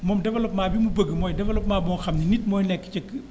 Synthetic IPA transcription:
mɔmdɛʋɛlop̚maːbimubəkɨmɔjdɛʋɛlop̚maːbɔŋxʰamninit̪̚mɔjlɛkːi̥t͡ʃəkɨ

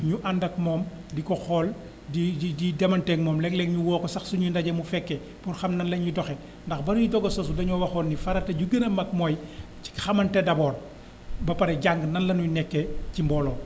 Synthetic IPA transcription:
ɲuʔandɐk̚mɔːm | dikɔxɔːl | diididɛmɐntɛkmɔːmlɛklɛŋɲuwɔːkɔsɐxsuɲundɐɟɐmufɛkːɛ | purxɐmnɐnlɐɲɲudɔxɛ | ndɐxbɐnujudɔɡɐsɔsubɐɲɔwɐxɔnːifɐɾɐtɐɟuɡənɐmɐk̚mɔːj | ci̥xɐmɐntɛdɐbɔːn | bɐpɐɾɛɟaŋɡnɐnlɐnunɛkːɛcimbɔlɔ

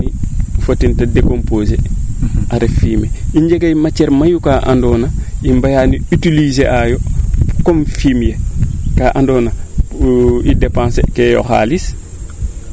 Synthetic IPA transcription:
ifotːintadekompoːzḛʔaɾefiːmeiɲd͡ʒeɡajmat͡ʃːɛɾmajukaːʔa̰ndɔːnaimbajaniytilizeʔajɔkɔmfimjekaːʔandɔːna | idepãnsḛkɛjɔ̰xa̰ːlis

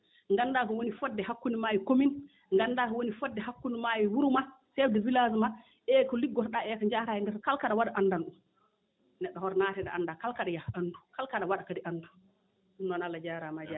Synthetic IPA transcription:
ŋɡanːdakɔwonifɔdːɛɦakːunimajikomin | ŋɡandakɔwonifɔdːɛhakːunimajiwuɾuma | sɛfdɛvilazma | ʔɛkɔliɡɔtɗaɛkaɲd͡ʒaɾajɛndɛtɔkalkaɗawaɗaʔandanɗum | nɛɗːɔhɔɾɔnatɛɗa̰andakalkaɗajahanːdukalkaɗawaɗakadiʔanːdu | ɗunːɔnalːad͡ʒaɾamad͡ʒa

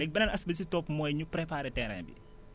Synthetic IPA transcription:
lɛk̚bɐnɐnɐsbɐsitɔpmɔːjɲupɾɛpaːɾɛtɛɾɐ̰nbḭ

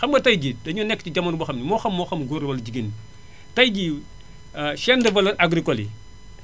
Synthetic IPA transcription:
xɐmɡɐtɐjɡidɐɲɔːnɛkːtiɟɐmːɐnubuxɐmnimɔxɐmːɔːxɐmɡuɾwɐlɟiɡin | tɐjɡi | ʃɛndəvɐlɐʔaɡɾikɔli

